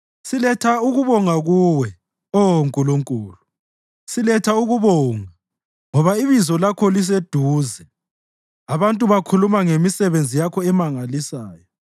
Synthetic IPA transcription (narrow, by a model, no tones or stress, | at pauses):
silɛtʰauɣuβɔŋaɣuːwɛ | oŋkʼuluŋkʼuːlu | silɛtʰauɣuβɔːŋa | ŋɔβaiβizɔlakʰɔlis̬ed̥ʱuːzɛ | aβantʼuβakʰulumaŋemisɛβend͡zʱijakʰɔɛmaŋalisaːjɔ